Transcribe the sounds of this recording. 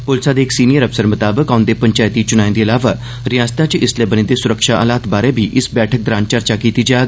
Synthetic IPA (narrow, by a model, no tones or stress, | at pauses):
pʊlsad̪eːɪksiːnijəɾəfsəɾmʊt̪aːbəkaːʊ̃nd̪epə̃ɲt͡ʃaːjt̪it͡ʃʊñaːĩnd̪eɐlaːʋa | ɾɪjaːst̪ãt͡ʃʔɪsleːbəñĩːd̪esʊɾəkʃaʔə̰ːlaːt̪baːɾebʱiʔɪsbɛːʈʰək̚d̪ɾãːnt͡ʃəɾt͡ʃakiːt̪iːd͡ʒaːɡ